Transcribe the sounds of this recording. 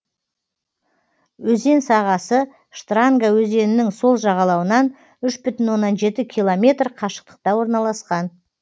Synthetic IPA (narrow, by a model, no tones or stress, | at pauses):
wɵze̞nsɑʁɑsə | ʃt̪raŋɡawɵze̞nɪnɪŋso̞lˠʒɑʁɑlˠɑwənɑn | ʏʃbʏt̪ɪnwo̞nːɑnʒe̞t̪ɪkʲʰilˠo̞mʲe̞t̪rqʰɑʃə̥q̚t̪ə̥q̚t̪ɑwo̞ɾnɑlˠɑsqɑn